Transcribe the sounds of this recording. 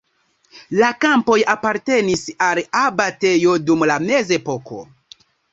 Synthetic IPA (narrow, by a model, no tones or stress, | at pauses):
lakampo̞japaɾte̞nisalabate̞jo̞dumlame̞ze̞po̞ko̞̰